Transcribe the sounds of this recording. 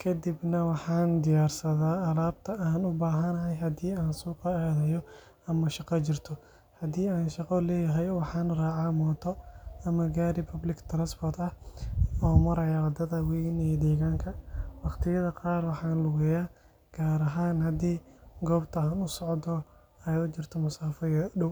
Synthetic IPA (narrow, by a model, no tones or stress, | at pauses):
kʰɐd̪ɪbnɐwɑħɑːnd̪ɪjaːrsɐðaːlaːbt̪ʰɐʔaːnʊbaːɦɐnɐɦɛjɦɐd̪iːaːnsuːqɐɛːðɐjɔ | ɐmɐʃɑqɑt͡ʃɪrt̪ʰɔ | hɐd̪iːaːnʃɑqɔlɛːjɐɦɛjwɑħɑːnraːʕaːmɔːt̪ʰɔɐmɐɡaːɾɪpʰɐblɪɡt̪ʰranspɔrt̪ɐhɔːmɐɾɛjawɐd̪ɐðɐwiːnɛːd̪ɛːɣaːŋkʰɐwɑqt̪ʰɪjɐðɐqɑːrwɑħɑːnlʊɣɛjaː | ɡ̥aːɾɐɦaːnhɐd̪iːɡɔːbt̪ʰɐaːnʊsɔʕd̪ɔ | ɛjʊt͡ʃɪrt̪ʰɔmʊsaːfɐjɐɖʊw